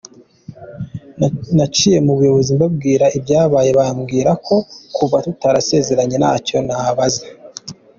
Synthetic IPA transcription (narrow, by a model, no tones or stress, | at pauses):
nat͡ʃije̞muβujo̞βo̞zimbab̚ɡiːɾaibjaːβaːje̞βaːmɡiːɾakʰo̞kuvatutaɾase̞ːze̞ɾaɲe̞na̰ːco̞naβazḁ